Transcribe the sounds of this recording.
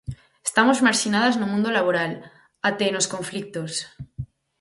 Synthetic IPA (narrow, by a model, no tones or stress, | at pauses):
est̪amozmaɾʃinað̞aznomũnd̪olaβ̞oɾal | at̪enoskõɱflik̚t̪os